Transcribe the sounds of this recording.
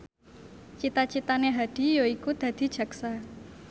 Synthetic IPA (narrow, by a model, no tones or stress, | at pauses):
t͡ʃit̪at͡ʃit̪aneɦaɖ̪̥i̤joikud̪̥ä̤d̪̥i̤d̥ʒ̥ä̤ksa